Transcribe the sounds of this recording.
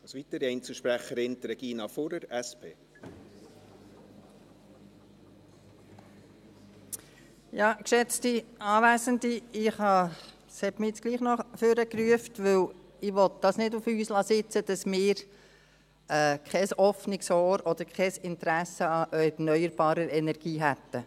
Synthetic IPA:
ɑsʋit̪əɾɛɪnt͡səʃpɾæχəɾɪnt̪ɾɛɡ̥iːnɑfoɾəɾɛspʰeː | jɑːkʃɛt͡stiɑːvæːzəndiɪχhɑ | shɛtmɪɪt͡sɡ̥liːχnɔχføɾəkryəftʋɵw | ɪʋɔt̪̚d̥ɑsnɪdufyːslɑsɪt͡səd̥ɑsmɪːɾ | ɛːkχɛsɔfnɪksɔːɾɔd̪̥əɾkʰɛsɪnt̪ɾæsəɑʔœnœʏəɾb̥ɑːɾəɾɛnɛɾɡ̥iːɦæt̪ːə

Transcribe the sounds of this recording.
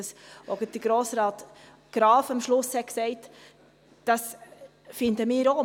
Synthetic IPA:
əsoɡəd̥əɡ̥ɾoːsɾɑːt | ɡ̥ɾɑːfɑmʃlʊshɛt̚ksɛɪt | d̥ɑs | fɪndəmɪːɾo

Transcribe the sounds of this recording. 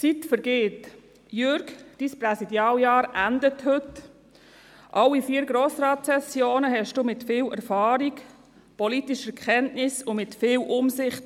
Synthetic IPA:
t͡sitfəɾɡeːt | jʏɾɡd̥iːspɾɛsidjɑːljɑːɾʔændəthʏt | ʔɑlːifiːəɾɡɾoːsɾɑːtsɛsjoːnəɦɛʃd̥uːmɪtfiːlɛ̰ɾfɑːɾik | pɔlitiʃəkʰχɛntnɪsʊmɪtfɪːlʔʊmsɪχt

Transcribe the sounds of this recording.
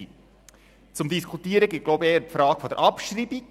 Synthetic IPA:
t͡sʊmd̪iskʰutiːəɾəɡɪt̚ɡ̥loʊbəeːəɾpfɾɑːɡ̥fɔd̪ɛɾʔɑpʃriːbi

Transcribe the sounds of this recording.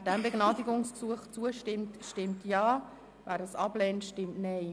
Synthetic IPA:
dɛmbeɡnɑːdiɡʊŋsksuəχt͡suəʃtɪmtʃtɪmtʰjɑː | væːɾəsɑb̥lɛːntʃtɪmtnɛɪ

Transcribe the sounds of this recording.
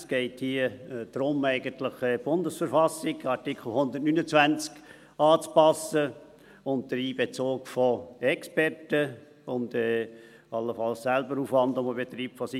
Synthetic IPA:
sɡ̥ɛɪthiːəd̥ɾʊmɛɪɡənt̪ləχɛb̥ʊndəsfəɾfɑsːɪɡɑɾtɪkχl̩ˠhʊnd̪əɾtnyːnət͡svʋænt͡sk | ɑːt͡spɑsə | ʊnt̚d̥əɾiːbet͡soːkfɔɛkspɛrtə | ʊndɛː | ɑlːəfɑlssælbəɾuːfʋɑndʊməbet̪ɾiːpfɔsi

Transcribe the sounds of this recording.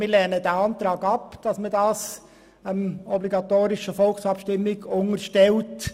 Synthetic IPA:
mɪlɛnədæɑntɾɑːɡɑpd̥ɑsmədɑːs | əmɔbliɡɑt̪oːɾɪʃəfɔlksɑpʃtɪmːɪɡʊŋəɾʃtɛlt

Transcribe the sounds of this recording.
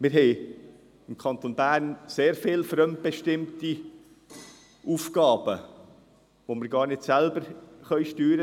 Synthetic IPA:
mɪɾɦɛɪ | ɪmkʰɑnt̪onbæːɾnseːɾfɪlfɾœmt̚b̥ɛʃtɪmti | ʔuːfkɑːbə | ʋoməɾɡɑːɾnɪtsælbəɾχœʏʃtyːɾə

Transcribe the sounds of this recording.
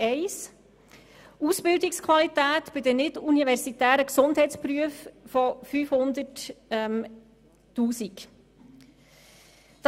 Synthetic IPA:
ɛɪs | uːsb̥ɪldikskʰwɑlit̪æːtb̥ɪdənɪtunivɛɾsitæːɾəksʊndɦɛɪtt͡spɾyəffɔfyːfhʊnd̪ətɛm | tuːsik | d̥

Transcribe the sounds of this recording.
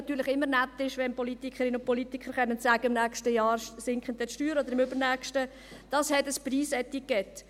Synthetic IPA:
ɑtːyːɾlɪχɪmːəɾnæt̪ːɪʃʋɛnpɔlit̪ikʰəɾɪnəʊn̚pɔlitikχəɾχɛnːətsæɡəɪmnæːkstəjɑːɾsɪŋkχən̩t̪ɛʃtyːɾɔd̪əɾɪmʏbəɾnæːχʃtə | d̥ɑshɛtəspriːsɛt̪ikːɛt

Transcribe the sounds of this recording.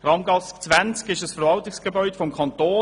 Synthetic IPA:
rɑmɡɑskt͡svænt͡skɪʃəsfəɾvɑltɪksɡ̥əbœʏdəfɔmkʰɑntoː

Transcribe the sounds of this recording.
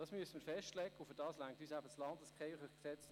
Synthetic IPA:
d̥ɑsmyəsəməfɛʃtlɛkːəufɪdɑːslæŋk̚tyːsæbəslɑntɑskχeɪχəχksɛt͡s

